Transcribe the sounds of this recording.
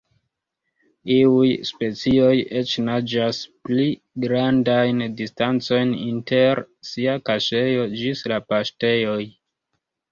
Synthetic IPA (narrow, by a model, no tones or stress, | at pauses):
iujspe̞t͡sio̞je̞t͡ʃnad͡ʒaspli | ɡɾandajndistant͡so̞jninte̞ɾ | siakaʃe̞jo̞d͡ʒislapaʃte̞jo̞j